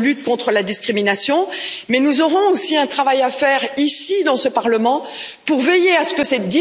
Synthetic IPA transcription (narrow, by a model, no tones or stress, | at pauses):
lyt̪̚kɔ̃t̪χəlad̪iskχiminasjɔ̃mɛnuzɔʁɔ̃osiɛ̃t̪χavajafɛʁisid̪ɑ̃səpaʁləmɑ̃ | puʁvejeasə̥kəsɛd̪i